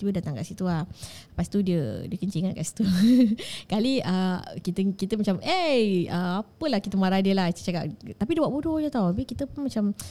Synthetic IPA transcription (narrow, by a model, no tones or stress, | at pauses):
iədat̪aŋka̰ʔsit̪uapast̪udiədiəkəɲt͡ʃiŋat̪̚ka̰ʔsi̥t̪u | kaliəkit̪əkit̪əmat͡ʃamʔeəapəlahkit̪əmaɾadiəlaht͡ʃaka̰t̪apidewaʔbudod͡ʒət̪awabikit̪əpunmat͡ʃam